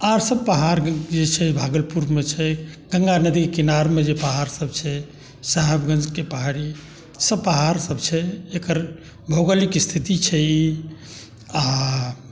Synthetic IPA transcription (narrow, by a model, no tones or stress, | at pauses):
aɾsəb̚pəɦaɾɡd͡ʒet͡ʃʰɛbʱaɡəlpuɾmet͡ʃʰɛɡəŋɡanəd̪ikekinaɾmed͡ʒepəɦaɾsəb̚t͡ʃʰɛ | saɦɛbɡə̃nd͡ʒkepəɦaɾi | səbpəɦaɾsəbt͡ʃʰɛekəɾ | bʱoɡəlikst̪ʰit̪it͡ʃʰɛi | a